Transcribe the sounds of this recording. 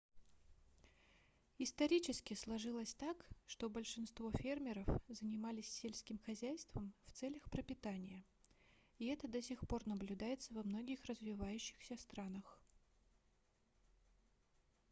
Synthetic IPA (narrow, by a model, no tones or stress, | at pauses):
ɪst̪ɐɾʲit͡ɕɪskʲɪslˠɐʐɨlˠəsʲt̪akʂt̪o̞bəlʲʂɨn̪st̪vo̞fʲe̞rmʲɪɾəfzənʲɪmalʲɪsʲːelʲsʲkʲɪmxɐzʲæjst̪vəmft̪sɛlʲəxpɾəpʲɪt̪anʲɪjə | iɛt̪əd̪ɐsʲɪxpo̞rnəblʲʉd̪ajɪt̪səvɐmno̞ɡʲɪxrəzvʲɪvajʉɕːɪ̥xsʲəst̪ɾanəx